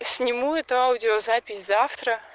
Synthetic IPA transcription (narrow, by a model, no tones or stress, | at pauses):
sʲnʲɪmuɛt̪ʊawdʲɪozapʲɪsʲzaft̪ɾə